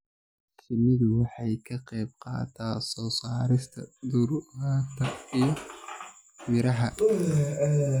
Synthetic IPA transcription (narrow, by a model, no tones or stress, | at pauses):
sɪmɪðʊwɑħɑjkʰɐqɛjb̚qɑ̰ːt̪ʰasɔːsaːɾɪst̪ʰɐ̰d̪ʊɾat̪ʰɐijɔ | mɪɾɐɦɐ